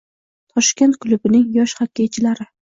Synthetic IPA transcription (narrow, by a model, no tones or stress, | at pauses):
t̪ʰɒʃkʲent̪̚kʰʊlˠʊbɪnɪŋjɒʃhakʲːet͡ʃʰɪlaɾɪ